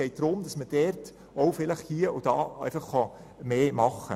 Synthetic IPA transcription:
ɛɪt̚d̥ɾʊmd̥ɑsməd̥ɛɾt | oʊfɪləχhiːəʔʊd̥ɑ̰ːæ̰ɪfɑχːɑ | meːmɑχə̰

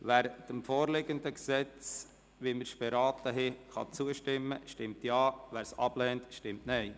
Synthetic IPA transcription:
ʋæːɾd̥əmfoːɾlɪɡənd̪əksɛt͡s | ʋiməɾʃb̥ɛɾɑːt̪əɦɛχɑ̰t͡suəʃtɪmːəʃtɪmtjɑːʋæːɾsɑ̰b̥lɛntʃtɪmtnɛɪ

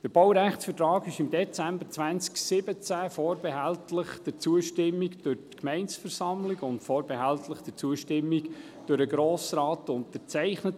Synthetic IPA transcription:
d̥əɾb̥owɾæχtsfətɾɑːɡɪʃɪmd̪ɛt͡sæmbəɾt͡svænt͡sksɪbət͡sæfɔːɾbɛɦæltləχd̥ət͡suəʃtɪmːikd̥øɾtkmɛɪnsfəɾsɑmlɪɡʊntfɔːɾbɛɦæltləχd̥ət͡suəʃtɪmːiɡ | d̥øɾəɡɾoːsɾɑːtʊntət͡sɛɪχnət

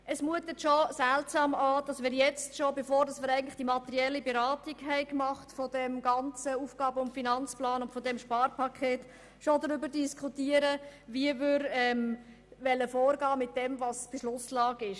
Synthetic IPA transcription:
ʔəsmuətətʃosæltsɑːmɑːd̥ɑsmɪːɾjɛt͡stʃobefoːɾdɑsmɪːɾæɪɡn̩tlɪ̥χd̥imɑt̪əɾiɛlːibeɾɑːtiɡɦɛɪkmɑχtfɔd̥ɛmɡɑnt͡səuːfɡ̥ɑːbəʊntfinɑnt͡splɑːnʊntfɔdɛmʃpɑːɾpʰɑkʰeːt | ʃodəɾʏbəɾdiskʰutiəɾəʋiəʋʏɾɛm | ʋɛlːəfoːɾɡɑːmɪt̚d̥ɛmvɑsb̥ɪʃlʊslɑːɡɪʃ

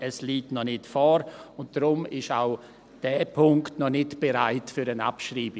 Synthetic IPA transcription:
ɛsliːtnɔnɪtfɔːɾʊnt̚d̥ɾʊmɪʃaʊ | d̥ɛːpʰʊŋktnɔnɪtb̥eɾaɪtfyːɾəna̰pʃɾiːb

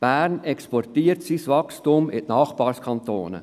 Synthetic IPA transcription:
b̥æːɾnɛkspɔrtiːəɾtsisʋɑkstumɪ̰tnɑːχb̥ɑːɾskʰɑnt̪o̰ːnə̰

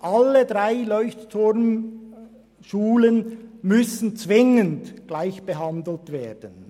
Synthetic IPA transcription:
ʔalədʁaɪlɔʏçttʰʊɾm | ʃuːlənmʏsən̩t͡svɪŋəndɡ̥laɪçb̥əɦɑndl̩tveːdən

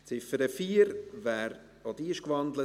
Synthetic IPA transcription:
t͡sɪfəɾəfiːəɾvæːɾ | od̪iʃkʋɑnd̪lə

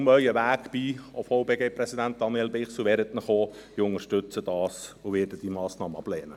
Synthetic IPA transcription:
mœʏəʋæːɡb̥iofɔʊwbeːɡeːpɾɛsidænt̚d̥̪ɑnjɛlbɪχsuʋɛɾət̪nəχoːiʊŋəʃtʏt͡səd̥ɑːsoʋɪːɾdəd̥imɑːsnɑːməɑb̥lɛːnə

